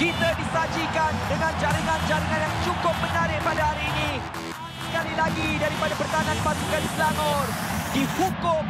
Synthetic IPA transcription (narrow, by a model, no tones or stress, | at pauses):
kit̪adisad͡ʒikandəŋand͡ʒaɾiŋand͡ʒaɾiŋanjaŋt͡ʃukʊp̚mənaɾɪk̚padaɦaɾiːni | sə̥kalilaɡidaɾipadapərt̪ananpasikanislaŋɔrdihukʊm